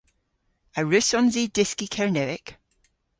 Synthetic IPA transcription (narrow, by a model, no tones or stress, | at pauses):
əɹʉsɔ̃nzidɪskikʰɛɹnɛvɪk